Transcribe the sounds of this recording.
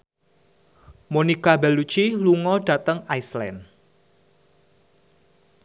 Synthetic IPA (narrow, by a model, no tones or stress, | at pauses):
monikabɛlut͡ʃiluŋɔɖ̥ä̤t̪əŋajslɛ̰n